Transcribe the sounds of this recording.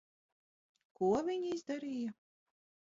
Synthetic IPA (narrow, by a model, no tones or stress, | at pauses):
kuɔvʲiɲʲizd̪aɾija